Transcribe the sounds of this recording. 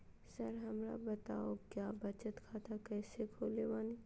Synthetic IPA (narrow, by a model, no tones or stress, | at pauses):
sɐɾɦɐmɾa̰bɐt̪aːokjaːbɐt͡ʃət̪kʰaːt̪ʰakɛːsekʰoːleʋaːni